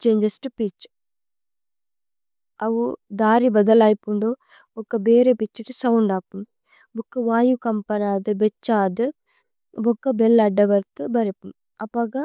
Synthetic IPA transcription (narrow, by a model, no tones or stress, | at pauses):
t͡ʃeːɲd͡ʒɐsʈupit͡ʃː | ɐʋud̪aːɾibɐd̪ɐlaːjpuɳɖo | ɔkːɐbeːɾepit͡ʃːiʈusɐwuɳɖaːpum | bokːɐʋaːjukɐmpɐɾaːd̪ɨbet͡ʃːaːd̪ɨ | bɔkːɐbelːɐɖːɐʋɐɾt̪ɨbɐɾipum | ɐpɐːɡɐ